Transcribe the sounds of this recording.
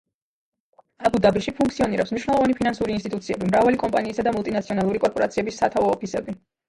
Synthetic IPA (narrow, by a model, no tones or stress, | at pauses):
abud̪abiʃipʰuŋk̚ʰt̪siɔniɾɛpsmniʃwnɛlˠɔvanipʰinansuɾinst̪ʼit̪ʼut̪sʰiɛbimɾavalikʼɔmpʼaniːsad̪amulˠt̪ʼinat̪sʰiɔnalˠuɾikʼɔɾpʼɔɾa̰t̪sʰiɛbisːat̪ʰavɔːpʰisɛbi